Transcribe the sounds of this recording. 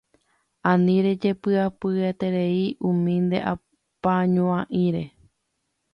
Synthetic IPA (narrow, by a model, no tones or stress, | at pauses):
ãnĩɾe̞d͡ʒe̞pɨapɨet̪e̞ɾe̞iʔũmĩnd̪e̞̰ʔa̰ | paɲõãʔĩɾe̞